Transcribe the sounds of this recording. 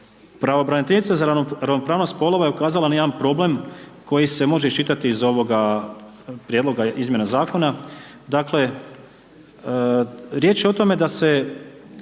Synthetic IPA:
pɾaʋobɾanit̪enit̪sazaɾaoɾaʋno̞pɾaːʋno̞st̪po̞lˠo̞ʋaje̞ukaːzalˠanajed̪anpɾo̞ble̞mko̞jise̞mo̞ʒeiʃt͡ʃit̪at̪iːzo̞ʋo̞ɡa | pɾjed̪lˠo̞ɡaʔizmje̞nazaːko̞na | d̪akle | ɾjet͡ʃjeot̪o̞me̞d̪ase̞

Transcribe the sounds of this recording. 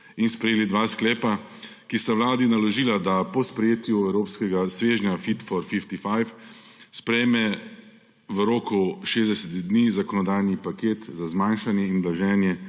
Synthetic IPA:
inspɾɛjeːlid̪ʋaːsklɛːpa | kist̪aʋlaːd̪inalɔʒiːlad̪apɔspɾɛjeːt̪juɛwɾoːpskɛɡasʋeːʒnafit̪fɔɾfift̪ifajf | spɾɛjmɛ | ʋəɾoːkuʃeːzd̪ɛsɛt̪id̪nizakɔnɔd̪aːjnipakeːt̪zazmanʃanjɛinblaʒɛːnjɛ

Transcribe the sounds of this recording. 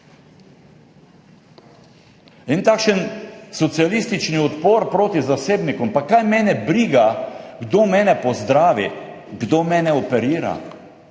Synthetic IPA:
int̪aːkʃənsɔt̪sialist̪it͡ʃniɔt̪poːɾpɾoːt̪izaseːbnikumpakajmɛːnɛbɾiːɡaɡd̪oːmɛːnɛpɔzd̪ɾaːʋi | ɡd̪oːmɛːnɛɔpɛɾiːɾa̰

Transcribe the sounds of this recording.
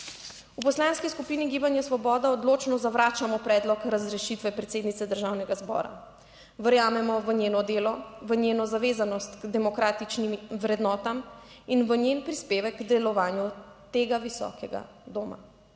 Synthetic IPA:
upɔslanskiskupiniɡiːbanjɛsʋɔbɔːd̪aɔd̪loːt͡ʃnɔzaʋɾaːt͡ʃamɔpɾɛːd̪lɔkɾazɾɛʃit̪ʋɛpɾɛt̪seːd̪nit̪sɛd̪əɾʒaːwnɛɡazbɔ̰ːɾa̰ | ʋəɾjaːmɛmɔʋəɲjeːnɔd̪eːlɔʋənjeːnɔzaʋeːzanɔst̪ɡd̪ɛmɔkɾaːt̪it͡ʃnimʋɾɛd̪nɔːt̪am | inʋənjenpɾispeːʋɛɡɡd̪ɛlɔʋaːnju | t̪eːɡaʋisɔ̰ːkɛɡa̰ | d̪oːma̰

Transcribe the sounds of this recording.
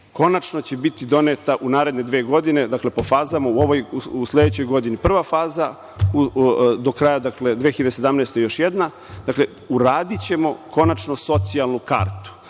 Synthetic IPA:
ko̞nat͡ʃno̞t͡ɕe̞bit̪id̪o̞net̪aʔunaːɾed̪ne̞d̪ʋeːɡo̞d̪ine̞d̪akle̞po̞faːzamauo̞ʋojusle̞d̪et͡ɕo̞jɡo̞d̪inipr̩ʋafaːza | ud̪o̞kɾajad̪akle̞d̪ʋeːxiʎed̪esed̪amnejst̪ojo̞ʃjed̪na | d̪akle̞ | uɾaːd̪it͡ɕe̞mo̞kʰo̞nat͡ʃno̞so̞t̪sialˠnuka̰ɾt̪u̥

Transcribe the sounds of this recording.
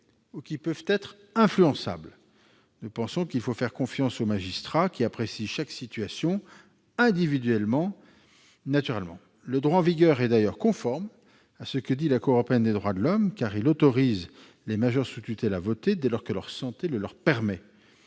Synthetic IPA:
ukʲipøvt̪ɛt̪χ | ɛ̃flyɑ̃sa̰bl | nupɑ̃sɔ̃kilfofɛʁkɔ̃fjɑ̃somaʒist̪χakʲiapχesiʃaksit̪ɥasjɔ̃ | ɛ̃d̪ivid̪ɥɛlmɑ̃ | nat̪yʁɛlmɑ̰̃ | ləd̪ʁwaɑ̃viɡʲœʁɛd̪ajœʁkɔ̃fɔʁm | asəkəd̪ilakuʁɔpeɛnd̪ed̪ʁwad̪əlɔmkaʁilot̪ɔʁiz | lemaʒœʁsut̪yt̪ɛlavɔt̪ed̪ɛlɔʁkəlœʁsɑ̃t̪eləlœʁpɛʁmɛ

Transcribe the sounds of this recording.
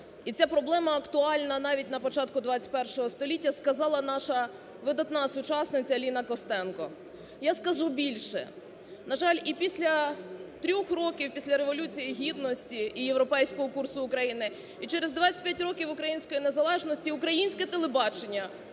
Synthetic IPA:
itt͡sʲapɾɔblˠɛmɐɐkt̪ʊɑlʲnɐnɑʋʲitʲnɐpɔt͡ʃɑt̪̚kʊd̪ʋɑt͡sʲɐ̥tʲpɛrʃɔɦɔst̪ɔlʲitʲːɐskɐzɑlˠɐn̪ɑʃɐ | ʋɪd̪ɐt̪nɑsʊt͡ʃɑsnɪt͡sʲɐlʲinɐkɔst̪ɛnkɔ | jaskɐʒubʲilʲʃɛ̰ | nɐʒɑlʲipʲisʲlʲɐt̪ɾʲɔxrɔkʲiwpʲisʲlʲɐɾeʋɔlʲut͡sʲijiɦʲid̪nɔsʲtʲiːjewɾɔpɛjsʲkɔɦɔkursʊːkɾɐjinɪ | it͡ʃɛɾezd̪ʋɑt͡sʲɐ̥t̚ʲpʲjatʲrɔkʲiwʊkɾɐjinʲsʲkɔjinezɐlˠɛʒnɔsʲtʲiʊkɾɐjinʲsʲkɛt̪elˠebɑt͡ʃenʲːɐ

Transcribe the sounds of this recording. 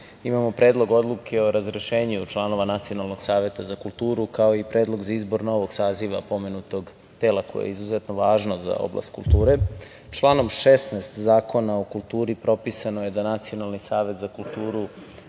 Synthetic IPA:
imamopɾeːd̪lˠo̞ɡo̞d̪lˠukʰeo̞ɾazɾeʃeːɲut͡ʃlˠano̞ʋanat̪sio̞nalˠnoɡ̥saːʋet̪azakulˠt̪uːɾukao̞ipɾʔe̞ːd̪lˠo̞ɡzaizbo̞ɾno̞ʋo̞ɡ̥saːziʋa̰po̞me̞nut̪o̞ɡ | t̪elako̰jḛizuzet̪no̞ʋaːʒno̞za̰o̰bla̰st̪kṵlˠt̪uːɾe | t͡ʃlˠaːno̞mʃest̪nɛːst̪zaːko̞naokulˠt̪uːɾipɾo̞pisanoje̞d̪anat̪sio̞nalˠnisaːʋe̞t̪zakulˠt̪uːɾu

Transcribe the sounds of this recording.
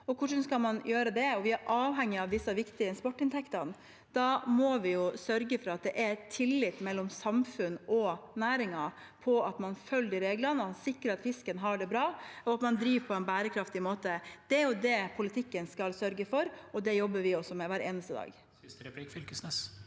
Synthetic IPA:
ɔkʰʊʂənskɑlmɑnjøːɾəd̪ɛɔʋɪæɾʔɑːʋɦɛŋːɪɑʋd̪ɪsːɑʋɪkt̪ɪəɪnspɔʈːɪnt̪ʰɛkt̪ɑn | d̪̥ɑmɔʋɪjʊsœɾɡəfɔɾɑt̪̚d̪ɛʔæɾt̪ʰːɪlːɪt̪mɛlːɔmsɑmfʉnɔnæːɾɪŋɑ | pʰɔɑt̪mɑnfœld̪ɪɾeːɡlɑnəsɪkɾəɾɑt̪fɪskənɦɑɖɛbɾɑːɔɑt̪mɑnd̪ɾiːʋpʰɔɛnbæːɾəkʰɾɑft̪ɪmoːt̪əd̪̥ɛæɾjʊd̪ɛpʰʊlɪt̪ʰɪkːənskɑlsœɾɡəfɔɾɔd̪ɛjɔbːəʋɪɔsːɔmɛʋæːɾeːnəst̪əd̪ɑ̰ːɡ̪ | kəsɛs

